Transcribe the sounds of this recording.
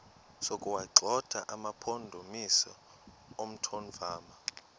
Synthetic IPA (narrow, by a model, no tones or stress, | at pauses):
sokʼuwaǃʱɔd̥ʱa̰ʔamapʰondʱomisɔ | om̩tʰonvaːma